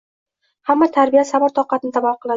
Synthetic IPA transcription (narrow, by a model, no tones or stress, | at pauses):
hamːat̪ʰaɾbijasamɒɾt̪ʰɒqɑt̪ɪnɪd̪avɒqʰɨlˠa